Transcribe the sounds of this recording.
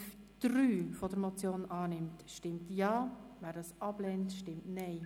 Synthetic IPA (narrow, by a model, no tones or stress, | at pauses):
d̥ryːfɔd̥əɾmɔt͡sjoːnʔɑːnɪmtʃtɪmtjɑːʋæːɾdɑːsɑb̥lɛntʃtɪmtnɛɪ